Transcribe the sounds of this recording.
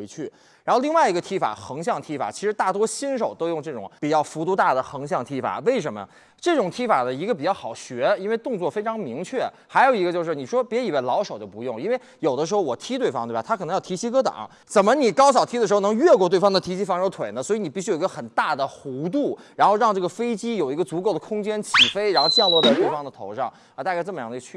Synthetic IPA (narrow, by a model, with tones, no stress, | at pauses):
e˧˥ɪt͡ɕʰy˥˩ | ɻa˧˥nxo˥˧ʊli˥˧ŋwa˥˩ɪi˧˥ɡə˧t̪ʰi˥fa̰˨˩xɤ˧˥ŋɕ̬jɑ˥˩ŋt̪ʰi˧˥fa̰˨˩t͡ɕʰi˧˥ʂɻ̩˧˥t̪a˥˩t̪̬wɔ˥ɕi˥nʂ̬o˨˩ʊt̪o˥ʊjʊ˥˧ŋʈ͡ʂɤ˥˩ʈ͡ʂʊ̰˨˩˦ŋpi˨˩t͡ɕjɑ˥˩ʊfu˧˥t̪u˧˥t̪a˥˩d̪ə˩xɤ˧˥ŋɕ̬jɑ˥˩ŋt̪ʰi˥fa̰˨˩we˥˩ɪʂ̬ə˧˥nmə̰˧ | ʈ͡ʂɤ˥˩ʈ͡ʂʊ˨˩ŋt̪ʰi˥fa˨˩d̪ə˦i˧˥ɡə˧pi˨˩t͡ɕjɑ˥˩ʊxɑ˨˩ʊɕɥɛ˧˥i˥nwe˥˧ɪt̪ʊ˥˧ŋt͡swɔ˥˩fe˥ɪʈ͡ʂʰɑ˧˥ŋmi˧˥ŋt͡ɕʰɥɛ˥˩ | xa˧˥ɪjo˨˩ʊi˧˥ɡə˧t͡ɕjo˥˧ʊʂ̬ɻ̩˥˩ni˨˩ʂwɔ˥pjɛ˧˥i˨˩we˥˩ɪlɑ˧˥ʊʂo˨˩ʊt͡ɕjo˥˩ʊpu˧˥jʊ˥˧ŋi˥nwe˥˩ɪjo˨˩ʊd̪əʂɻ̩˧˥xo˥˧ʊwɔ˨˩t̪ʰi˥t̪we˥˩ɪfɑ˥ŋt̪e˥˩bt̪ʰkʰnɤ˧˥jɑ˥˩t̪ʰi˧˥t͡ɕʰi˥kɤ˥t̪ɑ̰˨˩˦ŋ | t͡sə˨˩nmə˦ni˨˩kɑ˥ʊɕ̬ɑ˨˩t̪ʰi˥d̪ə˩ʂ̩˧˥xnɤ˧˥ŋɥɛ˥˧k̬wɔ˥˧t̪we˥˩ɪfɑ˥ŋd̪ə˩t̪ʰi˧˥t͡ɕʰi˥fɑ˧˥ŋɻʊt̪ʰwe˨˩ɪnə˦swɔ˧˥i˧˥ni˨˩pi˥˩ɕy˥jo˨˩˧ɡə˥˧xə˨˩nt̪a˥˩d̪ə˩xu˧˥t̪̬u˥˩ɻa˧˥nxo˥˧ʊɻɑ˥˧ŋʈ͡ʂɤ˥˩ɡə˩fe˥ɪt͡ɕi˥jo˨˩ʊi˧˥ɡə˧t͡su˧˥ko˥˩ʊd̪ə˩kʰʊ˥ŋt͡ɕjɛ˥nt͡ɕʰi˨˩fe˥ɪɻa˧˥nxo˥˧ʊt͡ɕjɑ˥˧ʊlwɔ˥˧t͡sa˥˧t̪we˥˩ɪfɑ˥ŋd̪ə˨t̪ʰo˧˥ʊʂɑ˥˩ŋ | a˧t̪a˥˧ka˥˧ʈ͡ʂɤ˥˩mə˩jɑ˥˩d̪t͡ɕʰy˥˩